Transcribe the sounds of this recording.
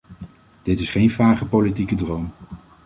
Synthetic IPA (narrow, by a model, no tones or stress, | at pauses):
d̥ɪtɪsχejnvaːχəpowlitikədrowm